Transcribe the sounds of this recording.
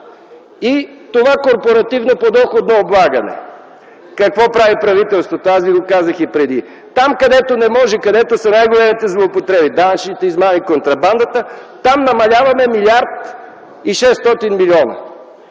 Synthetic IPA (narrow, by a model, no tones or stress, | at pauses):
i | t̪ovakoɾpoɾɐt̪ivnopod̪ɔxod̪nooblˠaɡɐnɛ̰ | kɐkvɔpɾavipɾɐvit̪ɛlˠst̪vot̪oasviɡokazəxipɾɛd̪i | t̪amkɐd̪ɛt̪onɛmɔʒɛkɐd̪ɛt̪osɐnajɡolɛmit̪ɛzlˠoːpot̪ɾɛbid̪anʃnit̪ɛizmanikont̪ɾɐband̪ət̪ət̪amnɐmɐlʲavɐmɛmilʲiaɾt̪ | iʃɛst̪ɔt̪inmilʲiɔnɐ̰